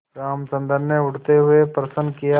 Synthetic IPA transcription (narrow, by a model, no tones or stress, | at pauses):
ɾaːmt͡ʃɐ̃nd̪əɾneʊʈt̪eɦʊepɾɐsə̃nkija